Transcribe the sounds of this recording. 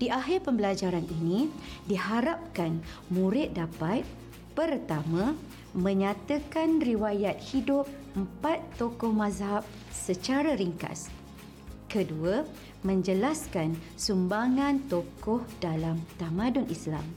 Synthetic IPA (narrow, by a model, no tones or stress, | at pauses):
d̥iʔaɦɪrpəmbəlad͡ʒaɾaninĩdihaɾap̚kan | mũɾɪt̪̚dapat̪̚ | pərt̪amã | mə̃ɲãt̪əkanriwajat̪̚hidʊp̚ | əm̩pat̪ːokɔhmãzɦap̚ | sət͡ʃaɾəɾiŋka̰s | kəduə | mə̃ɲd͡ʒəlaskan | sumbaŋãnt̪okɔhdalamt̪amãdʊnʔisla̰m